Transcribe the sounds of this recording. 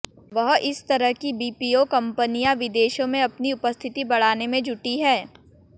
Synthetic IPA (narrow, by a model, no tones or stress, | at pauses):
ʋɐɦɪst̪ɐɾəɦkibiːpiokɐ̃mpənijaʋɪd̪eːʃõmẽɐpniʊpəst̪ʰɪt̪ibɐɽ̤aːnemẽd͡ʒʱʊʈiɦɛː